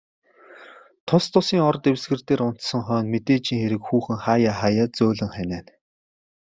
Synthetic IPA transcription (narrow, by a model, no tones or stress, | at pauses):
t̪ʰʊst̪ʰʊsiːŋɔrt̪ewsɡɘ̆rt̪eːɾʊn̥t̪sɞ̆ŋχœːnmet̪eːt͡ɕiːŋxeɾɘ̆kxuːxɘ̆ŋχaːjaːχajaːt͡sʊːɮɘ̆ŋχænæːn